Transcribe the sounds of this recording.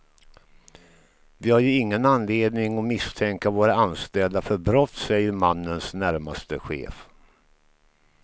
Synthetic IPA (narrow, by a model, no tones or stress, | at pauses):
vɪhaɾjɵɪŋːənanleːd̪nɪŋɔmɪst̪ʰɛŋkavoːɾaanst̪ɛld̪afœɾbɾɔt̪sɛjəɾmanːənsnæɾmast̪əɧḛːf